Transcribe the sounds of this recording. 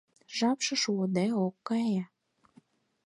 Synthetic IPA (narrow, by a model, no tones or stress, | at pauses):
ʒɑpʃɤ̆ʃuod̪eokːɑjɑ